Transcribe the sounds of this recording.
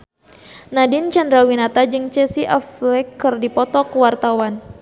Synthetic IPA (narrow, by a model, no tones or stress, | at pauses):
nadɪnt͡ʃandɾawinat̪ad͡ʒɨŋt͡ʃɛsiʔɛflɛkːɨrdipɔt̪ɔkuwart̪awan